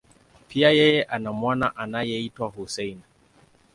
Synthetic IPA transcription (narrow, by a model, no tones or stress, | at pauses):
pʰiajɛjɛʔanamwanaʔanajɛitwahusɛjna